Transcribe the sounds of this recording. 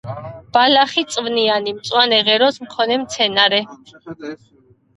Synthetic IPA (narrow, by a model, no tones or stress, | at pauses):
b̥alaχit̪sʼvnianimt̪sʼwanɛʁɛɾɔsmkʰɔnɛmt̪sʰɛnaɾɛ